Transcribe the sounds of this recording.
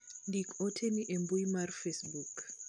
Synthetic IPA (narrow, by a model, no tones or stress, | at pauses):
ndikɔtʰeniʔɛmbuimarfesbuk